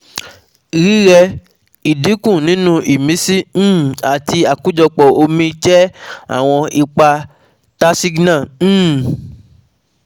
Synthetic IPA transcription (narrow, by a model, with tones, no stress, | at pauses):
ɾi˦ɾɛ˧ | i˨di˨˦kũ˦˨nĩ˨˦nũ˦ʔi˨mĩ˨˦sĩ˦˨a˨ti˧a˨ku˦d͡ʒɔ˧k͡pɔ˨o˧mĩ˧t͡ʃɛ˦a̰˦˨w̃ɔ̃˧i˧k͡pa˧ | ta˦si˦ɡnã˦˨˦